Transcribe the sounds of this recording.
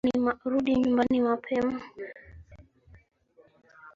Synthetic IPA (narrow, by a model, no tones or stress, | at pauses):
imɾuɗiɲumbanimapʰɛma